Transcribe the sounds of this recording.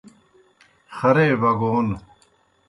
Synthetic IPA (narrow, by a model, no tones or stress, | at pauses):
xɐɾeːβɐɡoːn